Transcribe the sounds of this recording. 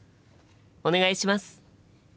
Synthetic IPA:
one̞ɡaiɕimasɨ̥

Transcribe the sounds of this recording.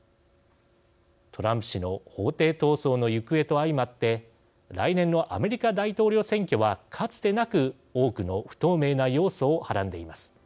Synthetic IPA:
t̪ʰo̞ɾãmpɯ̟ɕino̞ho̞ːt̪e̞ːt̪o̞ːso̞ːno̞jɯ̟kɯ̟e̞t̪o̞aimat̪ːe̞ | ɾa̰inẽ̞nːo̞ʔa̰me̞ɾʲikad̪ait̪o̞ːɾʲo̞ːsẽ̞ŋkʲo̞βakʰat͡sɨ̥d̪e̞nakɯ̟ | o̞ːkɯ̟no̞ɸɯ̥t̪o̞ːme̞ːnajo̞ːso̞ːhaɾãnd̪e̞imasɨ̥

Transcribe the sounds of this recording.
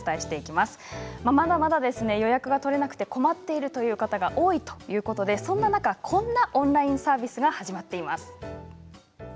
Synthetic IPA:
ɨ̥t̪aeɕi̥t̪e̞ikʲimasɨ̥mamad̪amad̪ad̪e̞sɨne̞jo̞jakɯ̟ɡat̪o̞ɾe̞nakɯ̟t̪e̞ko̞mat̪ːe̞iɾɯ̟t̪o̞jɯ̟ːkat̪aɡaʔo̞ːit̪o̞̥jɯ̟ːko̞t̪o̞d̪e̞sõ̞nːanakakʰõ̞nːaʔõ̞nɾaĩɰ̃saːbʲisɨɡahaʑimat̪ːe̞imasɨ̥

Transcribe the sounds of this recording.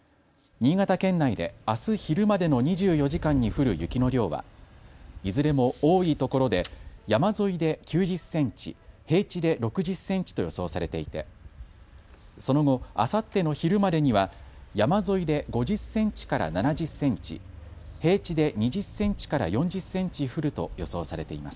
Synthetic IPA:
ɲ̟iːɡat̪akẽ̞nːaid̪e̞̰asɨçiɾɯ̟mad̪e̞no̞ɲ̟iʑɨːjo̞ʑikãɲ̟ːiɸɯ̟ɾɯ̟jɯ̟kʲino̞ɾʲjo̞ːβa̰ | izɨɾe̞mo̞oːiːt̪o̞ko̞ɾo̞d̪e̞jamazo̞id̪e̞kʲɨːʑɨsːẽ̞ɲt͡ɕḭhe̞ːt͡ɕid̪e̞ɾo̞kɯ̟ʑɨsːẽ̞ɲ̟t͡ɕi̥t̪o̞jo̞so̞ːsaɾe̞t̪e̞it̪e̞̰ | so̞no̞ɡo̞a̰sat̪ːe̞no̞çiɾɯ̟mad̪e̞ɲ̟iβajamazo̞id̪e̞ɡo̞ʑɨsẽ̞ɲ̟t͡ɕi̥kaɾa̰nanad͡ʑɨsːẽ̞ɲt͡ɕḭ | he̞ːt͡ɕid̪e̞ɲ̟iʑɨsːẽ̞ɲ̟t͡ɕi̥kaɾa̰jõ̞ɲ̟d͡ʑɨsẽ̞ɲ̟t͡ɕiɸɯ̟ɾɯ̟t̪o̞̰jo̞so̞ːsaɾe̞t̪e̞ima̰sɨ̥

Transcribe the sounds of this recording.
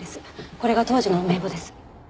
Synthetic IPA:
esɨ̥ko̞ɾe̞ɡat̪o̞ːʑino̞me̞ːbod̪esɨ̥

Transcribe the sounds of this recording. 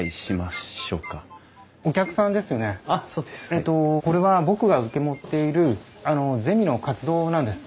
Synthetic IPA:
iɕimao̰ːka | o̞kʲakɯ̟sãnd̪e̞sɨjo̞ne̞asoːd̪eset̪ːo̞ko̞ɾe̞βabo̞kɯ̟ɡaɯ̟ke̞mo̞t̪ːe̞iɾɯ̟ | ano̞ze̞mʲino̞kat͡sɨd̪o̞ːnãnd̪e̞sɨ̥

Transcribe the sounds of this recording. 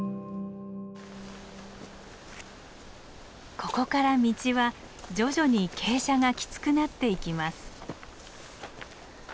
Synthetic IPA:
kʰo̞ko̞kaɾamʲit͡ɕiβa | d͡ʑo̞ʑo̞ɲ̟ikʰe̞ːɕaŋakʲi̥t͡sɨ̥kɯ̟nat̪ːe̞ikʲimasɨ̥

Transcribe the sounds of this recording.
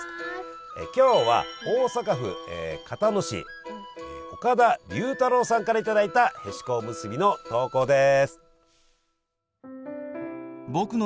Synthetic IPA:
ḛkʲo̞ːβa̰oːsakaɸɯ̟̰ḛkʰat̪anoɕḭ | ḛo̞kad̪abʲɯːt̪aɾo̞ːsãŋkaɾait̪ad̪ait̪ahe̞ɕi̥ko̞mɯ̟sɨbʲino̞t̪o̞ːko̞ːd̪e̞sɨ̥ | bokɯ̟n

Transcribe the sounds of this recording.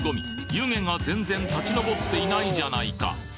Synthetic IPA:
ɡo̞mʲijɯ̟ːŋẽ̞ŋazẽ̞nd͡zẽ̞nt̪at͡ɕino̞bo̞t̪ːe̞inaiʑanaika̰

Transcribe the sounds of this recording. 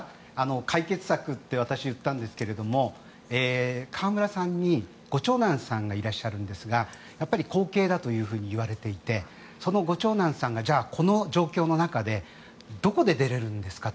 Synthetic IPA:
ano̞kʰaike̞t͡sɨ̥sakɯ̟t̪ːe̞β̞at̪aɕiɯ̟t̪ːãnd̪e̞sɨ̥ke̞ɾe̞d̪o̞mo̞ | eːkʰaːmɯ̟ɾasãɲ̟ːi | ɡ̥o̞t͡ɕo̞ːnãɰ̃sãŋɡaiɾaɕːaɾɯ̟̃nd̪e̞sɨɡa | japːaɾʲiko̞ːke̞ːd̪at̪o̞jɯ̟ːɸɯ̟ːɲ̟iɯβ̞aɾe̞t̪e̞it̪e̞ | so̞no̞ɡo̞t͡ɕo̞ːnãɰ̃sãŋɡad͡ʑaːkʰo̞no̞d͡ʑo̞ːkʲo̞ːno̞nakad̪e̞ | d̪o̞ko̞d̪e̞d̪e̞ɾe̞ɾɯ̟̃nd̪e̞sɨ̥kat̪

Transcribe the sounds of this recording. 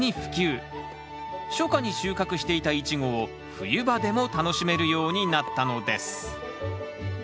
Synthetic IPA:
ɲiɸɯ̟̥kʲɨː | ɕo̞kaɲ̟iɕɨːkakɯ̟ɕi̥t̪e̞it̪ait͡ɕiɡo̞ː | ɸɯ̟jɯ̟bad̪e̞mo̞t̪ano̞ɕime̞ɾɯ̟jo̞ːɲ̟inat̪ːano̞d̪e̞sɨ̥

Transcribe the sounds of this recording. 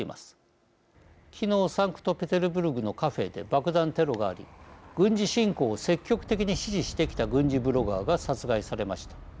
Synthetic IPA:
imʔa̰sɨ̥ | kʲʰino̞ːsãŋkɯ̟̥t̪o̞pe̞t̪e̞ɾɯ̟bɯ̟ɾɯ̟ɡɯ̟no̞kaɸe̞̰ːd̪e̞̰bakɯ̟d̪ãnt̪e̞ɾo̞ɡa̰ːɾʲḭɡ̥ɯ̟̃ɲd͡ʑiɕĩŋko̞ːse̞kʲːo̞kɯ̥t̪e̞kʲiɲ̟iɕiʑiɕi̥t̪e̞kʲi̥t̪aɡɯ̟̃ɲ̟d͡ʑibɯ̟ɾo̞ɡaːɡasat͡sɨɡaisaɾe̞maɕi̥t̪ḁ

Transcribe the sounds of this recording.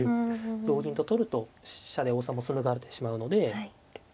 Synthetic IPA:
d̪o̞ːɡʲĩnt̪o̞t̪o̞ɾɯ̟t̪o̞ɕad̪e̞oːsamo̞t͡sɨnɯ̟ɡaɾet̪e̞̥ɕimaɯ̟no̞d̪e̞

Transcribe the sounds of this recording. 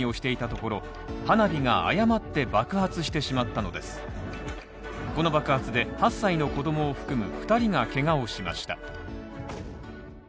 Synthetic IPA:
io̞ɕi̥t̪e̞it̪at̪o̞ko̞ɾo̞ | hanabʲiŋaa̰jamat̪ːe̞bakɯ̟hat͡sɨɕi̥t̪e̞ɕimat̪ːano̞d̪e̞sɨ̥ | ko̞no̞bakɯ̟hat͡sɨd̪e̞hasːaino̞ko̞d̪o̞mo̞ːɸɯ̟̥kɯ̟mɯ̟ɸɯ̟̥t̪aɾʲiŋake̞ŋao̞ɕima̰ɕi̥t̪a̰

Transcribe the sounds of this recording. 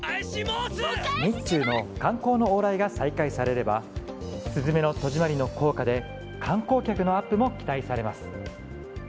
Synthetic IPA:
ɲʲit͡ɕɨːno̞kãŋko̞ːno̞oːɾaiɡasaikaisaɾe̞ɾe̞ba | sɨzɨme̞no̞t̪o̞ʑimaɾʲino̞ko̞ːkad̪e̞ | kʰãŋko̞ːkʲakɯ̟no̞apːɯ̟mo̞kʲi̥t̪aisaɾe̞masɨ̥

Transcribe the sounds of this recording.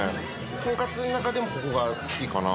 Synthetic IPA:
kõŋkat͡sɨnakad̪e̞mo̞kokoɡasɨ̥kʲikana

